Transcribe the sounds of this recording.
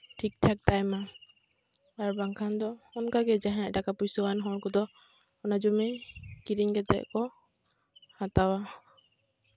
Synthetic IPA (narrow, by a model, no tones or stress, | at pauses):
ʈʰik̚ʈʰak̚t̪ajma | aɾbaŋkʰand̪ɔɔnkaɡɛd͡ʒaɦɛaʔdakapujsɔwanɦɔɾkɔd̪ɔ | ɔnad͡ʒumɛkiɾiŋɡɛt̪ɛ̰ʔkɔ | hat̪awa